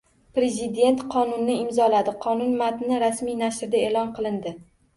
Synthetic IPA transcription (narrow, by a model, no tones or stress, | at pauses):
pɾe̞zɪd̪e̞nt̪qʰɒnʊnːɪɪmzɒlad̪ɪqʰɒnʊnmat̪nɪɾasmijnaʃɾd̪aelɒnqʰɨlˠɪnd̪ɪ